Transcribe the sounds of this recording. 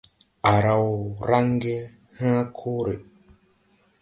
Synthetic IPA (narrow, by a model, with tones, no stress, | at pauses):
a˨ɾa˨wɾa˦ŋ˦ɡe˦ | hã˦kʰo˦ɾe˨